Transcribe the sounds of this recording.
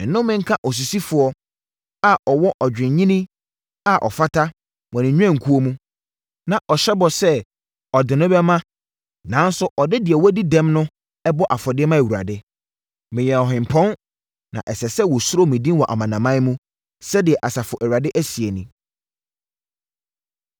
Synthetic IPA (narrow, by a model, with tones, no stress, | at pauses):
n̩˨nʊ̃˦m˦mɪ̃˦ŋ̩˦kʰã˦ʔɔ˨s̬u˨si˦fʊ˨ɔ˦ | a˦ʔɔ˨wɔ˦ʔɔ˨d͡ʑᶣɪ̃˨ɲĩ˦nĩ˦ | a˦ʔɔ̰˨fa˦tʰa˦ | wɔ̃˨nɪ̃˨ɲᶣ˦ã˦˨ŋ̩˨kʰu˦o˦mũ˦ | nã˨ʔɔ˨ɕɛ˦bɔ˨sɛ˦ | ɔ˨dɪ˨nʊ̃˦bɛ˦mã˦ | nã˨˦n˦sʊ˦ʔɔ˨dɪ˦dɪ˨ɛ˨wɔ˦di˦dɛ̃˦mnʊ̃˦ | ɛ˦bɔ˦ʔa˨fɔ˨dɪ˦ɛ˦mã˦˨wu˨ɾa̰˨dɪ˦ | mɪ̃˨jɛ˨ɔ˨ɦɪ̃˨mpʰɔ̃˦n | nã̰˨ʔɛ˨sɛ˨sɛ˦wɔ˨sʊ˦ɾo˦mĩ˨dĩ˦n˦wɔ˨ʔa̰˨mã˨nã˨mã˦mũ˦ | sɛ˦dɪ˨ɛ˨ʔa˨sa˨fʊ˨ʔæ˨ɥa˨dɪ˦ʔæ˦si˨e˨nĩ˨